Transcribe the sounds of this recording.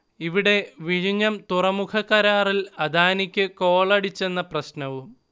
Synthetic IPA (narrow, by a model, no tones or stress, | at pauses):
iʋiɽe̞ʋiɻiɲːɐmt̪urɐmukʰɐkːɐɾaːrilɐd̪ʱaːnikʲːɨko̞ːɭɐɽit͡ɕːe̞nːɐprɐɕnɐʋum